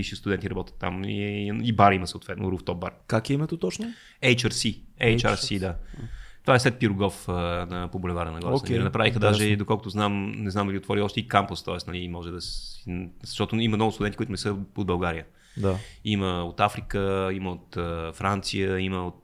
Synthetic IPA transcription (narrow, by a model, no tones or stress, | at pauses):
iʃist̪ʊd̪ɛnt̪ʲiɾɐbɔt̪ʲə̥t̪ːa̰mḭibaɾiməsəot̪vɛt̪nʊ̰ɾuft̪ɔp̚baɾkakɛimət̪ot̪ɔt͡ʃnʊ | ɛjt͡ʃɐɾsiɛjt͡ʃaɾsid̪at̪ovaɛslɛt̪̚piɾʊɡɔfənəpobolɛvaɾənɐɡlˠaɛɛnɐpɾavixəd̪aʒɛd̪okɔlˠkʊt̪ʊznamnɛznamd̪əliot̪vɔɾiɔʃt̪ɛikampəst̪ɔɛsnɐlimɔʒɛd̪ɐs | z̥ɐʃt̪ɔt̪ʊimɐmnɔɡʊst̪ʊd̪ɛnikuit̪ʊnɛsəod̪̚bɐlˠɡaɾijə | d̪aiməot̪afɾikəiməot̪əfɾant̪sijəiməot̪